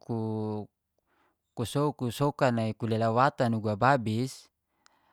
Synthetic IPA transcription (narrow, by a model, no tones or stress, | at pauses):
ku | kusoukusokanaikulelawat̪anuɡuababis